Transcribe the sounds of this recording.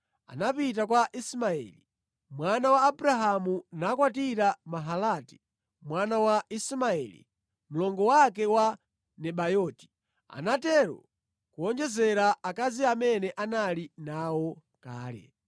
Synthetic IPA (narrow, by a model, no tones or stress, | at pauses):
a̰napit̬akwaʔismaɛ̰li | mwanawaːbɾaɦamunakwatiɾamaɦalati̥ | mwanawaismaɛ̰lḭ | mulɔŋɡɔwakɛwa | nɛɓajɔːti̥ | a̰natɛɾɔ̰ | kuɔnd͡ʒɛzɛɾaakaziamɛnɛʔanalinawɔ | kaːlɛ̰